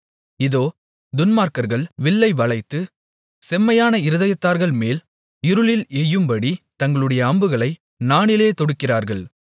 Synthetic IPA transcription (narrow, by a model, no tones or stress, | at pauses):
ɪðoː | d̪ʊnmaːɾkɐɾɣɐɭʋɪɭːɐɪʋɐɭɐɪt̪ːɯ | sɛmːɐjaːnɐɪɾɯðɐjɐt̪ːaːɾɣɐɭmeːl | ɪɾɯɭɪlɛjːɯmbɐɽit̪ɐŋɡɐɭɯɽɐjɐːmbɯɣɐɭɐɪ | naːnɪleːt̪ɔɽɯkːɪraːɾɣɐɭ